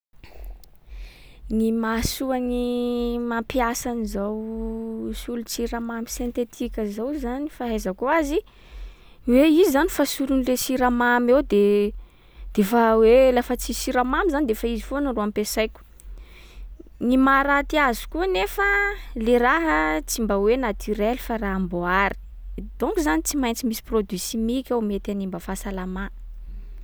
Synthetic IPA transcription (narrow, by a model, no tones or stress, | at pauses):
nimasuanimapiasanizaw | sulut͡siɾamamisent̪et̪ʰikʲəzawzanifaɦezəkoazi | weizizanifasuɾunilesiɾamamewd̪e | d̪̥efəwelafət͡sisiɾamamizanid̪efəizifonəroampesajkʲu̥ | nimaɾat̪iazi̥kuənefəleɾaɦət͡simbawenat̪ʰyɾelifaraamboaɾi̥ | d̪̥ɔ̃ŋkuzanit͡simajnt͡simisi̥prod̪isimikʲawmet̪animbəfasalama